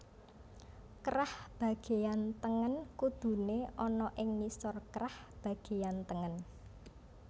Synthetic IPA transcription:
kɾahb̥ä̤ɡ̥e̤jant̪əŋənkud̪̥ṳneʔɔnɔʔɪŋnisɔrkɾah | b̥a̤ɡ̥e̤jant̪əŋən

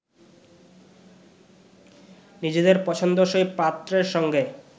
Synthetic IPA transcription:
nid͡ʑed̪eɾpɔt͡ɕʰond̪oʃojpat̪ːɾeɾʃɔŋɡe

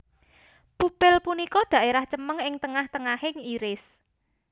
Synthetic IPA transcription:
pupɪlpunikɔɖ̥ä̤ʔeɾaht͡ʃəməŋɪŋt̪əŋaht̪əŋahɪŋiɾɪs

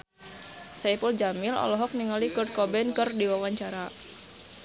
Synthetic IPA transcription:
saipuld͡ʒamɪlɔ̰lɔɦɔk̚niŋalikɔrd̚kɔbɛnkɨrdiwawaɲt͡ʃaɾa

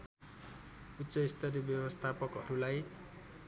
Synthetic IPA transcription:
ut̪ːsʌist̪ʰʌɾibjʌbʌst̪ʰapʌkɦʌɾulaj

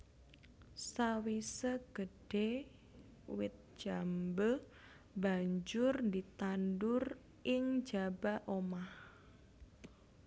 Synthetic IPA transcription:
sawisəɡ̥əɖ̥e | wɪt̪̚d͡ʒ̥ambə | baɲd͡ʒʊrnd̪it̪andʊr | ʔɪŋd͡ʒabaʔomah

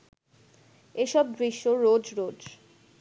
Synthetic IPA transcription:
eʃɔb̚bɾiʃːoɾod͡ʑɾod͡ʑ

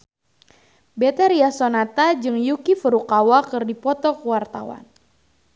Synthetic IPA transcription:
bɛt̪aɾiasɔnat̪ad͡ʒɨŋjukifəɾukawakɨrdipɔt̪ɔkəwart̪a̰wa̰n

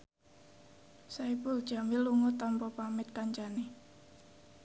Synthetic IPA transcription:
saipʊld̥ʒ̥a̤miluŋut̪ampɔpamɪt̪̚kaɲt͡ʃani

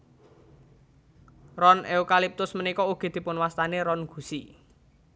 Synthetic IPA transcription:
rɔnʔeukalip̚t̪ʊsmənikɔuɡ̥i̤d̪̥i̤pʊnwast̪aneɾɔnɡ̥ṳsi

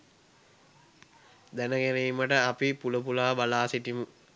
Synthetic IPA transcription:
d̪ænəɡæɾiːməʈəapipuləpulaːbalaːsiʈimu

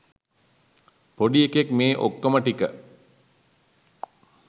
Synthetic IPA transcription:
poɖiekekmeːʔo̰kːəməʈikə̰

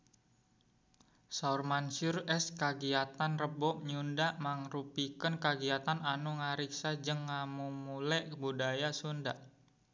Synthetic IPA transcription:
saurmansʊrɛskaɡiat̪anrəbɔʔɲundaʔmaŋrupikənkaɡiat̪ananuŋaɾiksad͡ʒəŋːamumulɛʔbudajasundaʔ

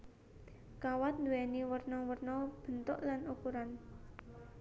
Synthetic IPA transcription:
kawat̪̚nd̪uwɛniwərnɔwərnɔb̥ənt̪ʊʔlanukuɾan

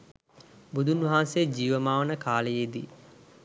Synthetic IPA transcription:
bud̪ʱunʋɐɦaːnsejd͡ʒiːʋəmaːʋənəkaːləjed̪i

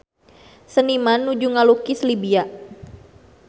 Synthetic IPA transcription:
sənimanːud͡ʒuŋalukislibia

